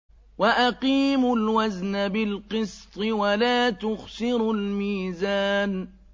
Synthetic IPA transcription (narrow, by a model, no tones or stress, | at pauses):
waʔaqiːmʊlwaznabɪlqɨst̪ˤɨwalaːt̪ʊɣsɪɾʊlmiːzaːn